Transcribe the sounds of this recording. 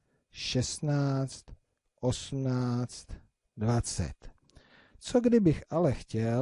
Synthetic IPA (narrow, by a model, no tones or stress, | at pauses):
ʃɛst̪naːt͡st̪ | ʔo̞sm̩naːt͡st̪ | dvat͡sɛ̰t̪ | t͡soɡdɪbɪxʔalɛxcɛ